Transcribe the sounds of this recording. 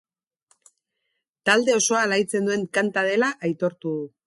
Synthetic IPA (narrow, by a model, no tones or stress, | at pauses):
t̪ald̪e̞o̞so̞alajt͡se̞nd̪ue̞ŋkant̪að̞e̞laʔajt̪o̞ɾt̪uðu